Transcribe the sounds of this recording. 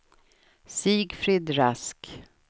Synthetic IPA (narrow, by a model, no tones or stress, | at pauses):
siːɡfɾiːd̪ɾask